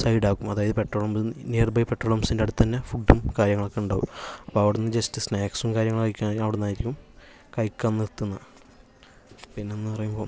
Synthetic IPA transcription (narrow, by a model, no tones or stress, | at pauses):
sɐjɽaːkːumɐðaːjɐðɨpe̞ʈroːɭomnijɐrbɐjpeʈroːɭomsindeɐɽut̪ːɐnːefuɖːumkaːɾjɐŋːɐɭokːeuɳɖaːʋṵmɐpːoɐʋiɽunːɐd͡ʑestɨsneːksumkaːɾjɐŋɐɭkɐjkʲːaːnɐʋiɽunːaːjiɾikʲːum | kɐjkʲːɐnːiɾt̪ːunːɐ | pinːe̞enːɨpɐrɐjumbo̞ː